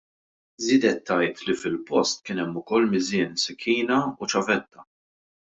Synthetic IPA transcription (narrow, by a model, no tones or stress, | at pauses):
zɪːd̪ɛt̪ʰːɐjt̪lifɪlpɔst̪kɪːnɛmːʊkɔlːmɪzɪːnsɪkʰːiːnɐut͡ʃɐvɛt̪ːɐ